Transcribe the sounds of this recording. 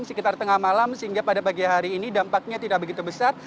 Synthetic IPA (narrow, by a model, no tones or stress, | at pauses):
msəkit̪art̪əŋahmalamsəɦiŋɡapadapaɡiɦaɾiːnidampak̚ɲat̪idaʔ̚bəɡit̪ubəsar